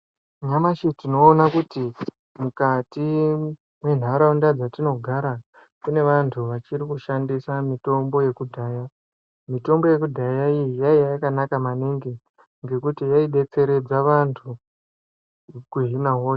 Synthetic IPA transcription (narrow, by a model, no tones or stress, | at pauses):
ɲamaʃitino̞ːnakuti | mukati | mwe̞n̤aɾaundad͡zatino̞ɡʱaɾa | kune̞ʋantʰuʋat͡ʃiɾikuʃandisamito̞mbo̞je̞kudʱaːja | mito̞mbo̞je̞kudʱajaijijaiaakanakamaniŋɡe | ŋɡe̞kutijaiɗe̞t͡se̞ɾe̞d͡zaʋantʰu | kuɦinaɦoːʃe